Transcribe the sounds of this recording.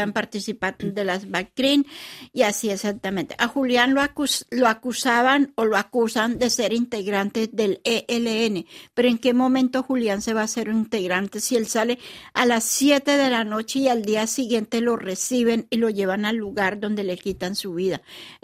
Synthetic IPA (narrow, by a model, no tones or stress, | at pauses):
ampaɾt̪isipaɾd̪e̞lazbakkɾiniasiesak̚t̪amẽnt̪ḛʔaxuljanloakusaβanoloakusand̪e̞se̞ɾint̪e̞ɣɾant̪ezðe̞leʔeleene̞pe̞ɾoeŋke̞mõ̞mẽnt̪o̞xuljanse̞βase̞ɾint̪eɣɾant̪e̞sie̞lsale̞alasːje̞t̪e̞ðe̞lano̞t͡ʃe̞iald̪iasiɣje̞nt̪e̞lo̞resiβe̞nilo̞ʝe̞βanalːuɣaɾd̪o̞nd̪e̞le̞kit̪ansuβiða